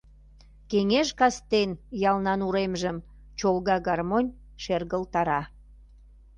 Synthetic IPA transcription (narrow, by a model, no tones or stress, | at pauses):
keŋeʒkɑst̪enjɑlnɑnuɾemʒəm | t͡ɕolɣɑɣɑrmonʲ | ʃerɣəlt̪ɑɾɑ